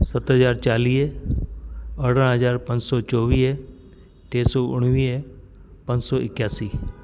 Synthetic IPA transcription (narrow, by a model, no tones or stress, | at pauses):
sət̪ɦəzaːɾt͡ʃaːliː | əɽə̃ɦəzaːɾpə̃ɲd͡ʒsɔːt͡ʃɔːʋiː | ʈeːsɔːʔʊɽ̃ʋiː | pə̃ɲd͡ʒsɔːʔɪkjaːsiː